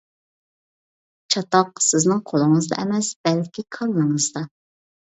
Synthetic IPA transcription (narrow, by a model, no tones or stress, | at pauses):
t͡ʃʰɑt̪ɑqsɪznɪŋqʰolˠɨŋəzd̪ɑ̰ʔɛmɛsb̥ɛlkʲʰikʰɑlːɨŋɨzd̪ɑ